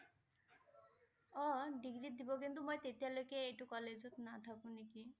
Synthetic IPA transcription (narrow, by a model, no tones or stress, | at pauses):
ɔɖiɡɾit̪̚d̪ibokint̪umojt̪et̪ialojkeeʈukɔled͡ʑot̪nat̪ʰakuniki